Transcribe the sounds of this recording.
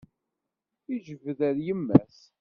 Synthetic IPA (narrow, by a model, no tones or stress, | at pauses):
iʒəvəðæɾjəmːæ̰s